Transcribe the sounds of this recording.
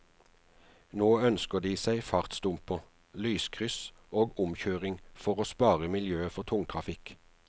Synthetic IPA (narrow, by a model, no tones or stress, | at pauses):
noːœnskəd̪iːsæɪfɑʁt̪st̪ʊmpə | lyːskʰʁʏs | oːɡʊmçøːʁɪŋfɔʁoːspɑːʁəmɪljøːəfɔʁt̪ʰʊŋt̪ʰʁɑfɪk